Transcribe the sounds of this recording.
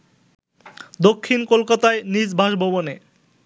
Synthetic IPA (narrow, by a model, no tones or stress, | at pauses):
d̪okʰːinkolkat̪aenid͡ʑbʱaʃbʱoβone